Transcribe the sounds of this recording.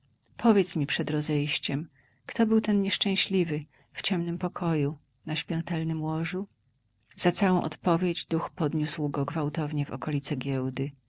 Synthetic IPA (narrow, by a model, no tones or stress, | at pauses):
pʰɔvʲjɛt̪smʲipʂɛd̪ɾɔzɛjɕt͡ɕɛm | kt̪ɔbɘwt̪ɛnɲɛʂt͡ʂɛ̃w̃ɕlʲivɘ | ft͡ɕɛmnɘmpɔkʰɔju | naɕmʲɛɾt̪ɛlnɘmwɔʐu | z̥at̪sawɔ̃w̃ʔɔ̰t̪pɔvʲjed͡ʑd̪uxpɔd̪ɲuswɡɔɡvawt̪ɔvɲɛvɔ̰kɔlʲit̪sɛɡʲjɛwd̪ɘ